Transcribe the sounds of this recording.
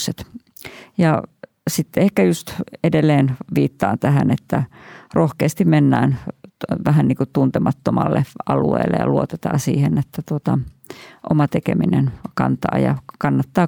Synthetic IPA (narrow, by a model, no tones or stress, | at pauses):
set̪ | jɑ | sit̪ːehkæjust̪edelːeːnʋiːt̪ːɑːnt̪æɦænet̪ːærohkeːst̪immenːæːnʋæɦænniːŋkut̪unt̪emɑt̪ːomɑlːeɑluḛːlːʔḛjɑ̰luot̪et̪ɑ̰ːsiːhenet̪ːæt̪uot̪ɑ | ʔomɑt̪ekeminenkɑ̰nt̪ɑ̰ːjɑ̰kɑnːɑt̪ːɑː